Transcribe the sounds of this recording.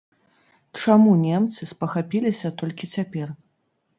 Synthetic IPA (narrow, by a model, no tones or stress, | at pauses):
t͡ʂamunʲɛmt̪sɨspɐxapʲilʲisʲɐt̪ɔlʲkʲit͡sʲapʲɛr